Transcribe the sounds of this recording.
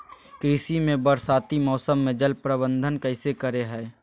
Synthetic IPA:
kɾɪsimẽbəɾsaːt̪imɔːsəmːẽd͡ʒəlpɾəbə̃nd̪ʱənkəɪsekəɾeɦɛː

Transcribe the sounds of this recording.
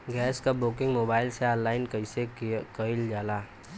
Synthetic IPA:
ɡɛːskabʊkɪ̃ŋɡmoːbaːɪlseaːnlaːɪnkɐɪsekəɪld͡ʒaːlaː

